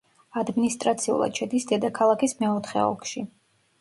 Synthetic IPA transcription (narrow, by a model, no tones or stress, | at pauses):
ad̪minist̪ʼɾat̪sʰiṵlˠa̰d̪ʃʰɛd̪isd̪ɛd̪akʰalˠakismɛɔt̪ʰχɛ̰ɔ̰kʰʃi